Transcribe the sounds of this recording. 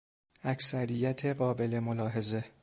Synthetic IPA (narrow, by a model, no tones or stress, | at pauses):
æcsæɾijæt̪ʰe̞ɢɒːbe̞le̞molɒːɦe̞ze̞